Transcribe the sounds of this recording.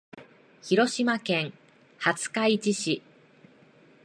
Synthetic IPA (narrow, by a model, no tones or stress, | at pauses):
çiɾo̞ɕimakẽ̞ŋ | hat͡sɨ̥kait͡ɕiɕi